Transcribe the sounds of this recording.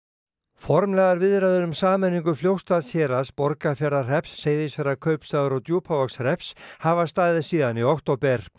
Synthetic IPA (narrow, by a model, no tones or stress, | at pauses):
fɔɾmlɛɣðaɾvɪðɾaðʏnʏmsaːmɛniŋkʏfljowst̪aðsçɛːɾaspɔɾkafjɛɾðar̥ɛpsːeːjðɪsɛɾakʰœɥpst̪aːðʏɾɔt̪juːpʰavɔksr̥ɛpshavast̪aːðɪsiːðaniɔht̪owpɛɾ̥